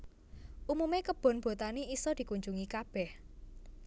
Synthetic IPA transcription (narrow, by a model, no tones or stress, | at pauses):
ʔumumekəb̥ɔ̤nb̥o̤t̪aniisɔd̪̥i̤kuɲd͡ʒuŋikab̥ɛh